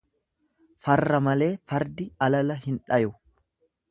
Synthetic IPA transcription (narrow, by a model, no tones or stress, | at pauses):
fɐrːɐmɐle̞ːfɐɾd̪ɪɐlɐlɐhɪnᶑɐjʊ